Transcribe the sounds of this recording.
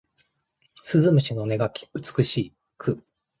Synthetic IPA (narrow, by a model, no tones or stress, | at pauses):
sɨzɨmɯ̟ɕino̞ne̞ɡakʲɯ̟t͡sɨ̥kɯ̟ɕiː | kʰɯ̟